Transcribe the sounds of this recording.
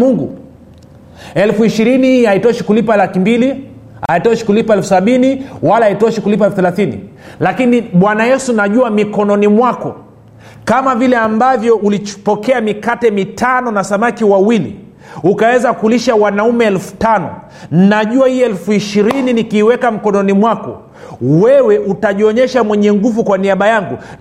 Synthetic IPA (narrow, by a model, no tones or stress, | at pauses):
uŋɡṵ | ɛlfuiʃiɾinihiaitɔʃikulipalakimbili | aitɔʃi̥kulipaɛlfusaɓiniwalaːitɔʃikulip̬aɛlfuθɛlaθinḭ | lakiniɓwanajɛsunaʄuamikɔnɔnimwakɔ̰ | kamavilɛambavjɔulit͡ʃpɔkɛamikatɛmitanɔnasamakiwawilḭ | ukawɛzakuliʃawanaumɛɛlfu̥tanɔ̰ | nnaʄuahiɛlfuiʃiɾininikiːwɛkam̩kɔnɔnimwakɔ̰ | wɛwɛʔutaʄiɔɲɛʃamwɛɲɛŋɡuvukwaniaɓajaŋɡu